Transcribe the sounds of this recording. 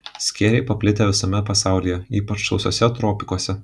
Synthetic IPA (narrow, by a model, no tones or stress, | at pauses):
sʲkʲeːɾʲɛɪpɐpʲlʲɪt̪ʲeʋʲɪsɐmʲɛpɐsɑˑʊlʲijɛiːpɐt͡ʃsɒʊsʲo̰ɔːsʲɛt̪ɾɔːpʲɪkoɔsʲɛ